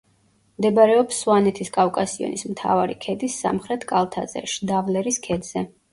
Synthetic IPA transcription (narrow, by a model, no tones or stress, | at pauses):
md̪ɛbaɾɛɔpsːwanɛt̪ʰiskʼafkʼasiɔ̰nismt̪ʰa̰vaɾikʰɛd̪isːa̰mχɾɛt̪ʰkʼalˠt̪ʰa̰zɛ̰ʃd̪avlɛɾiskʰɛd̪z̥ɛ